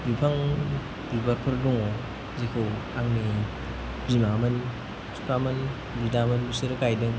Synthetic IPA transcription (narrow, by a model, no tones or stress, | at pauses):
bipʰaŋ | bibaɾpʰɯɾdɔŋɔ | zekʰɯwaŋni | ɾimamɐn | sʰu̥pʰamɐn | bidamɐnbuseɾkajdɯŋ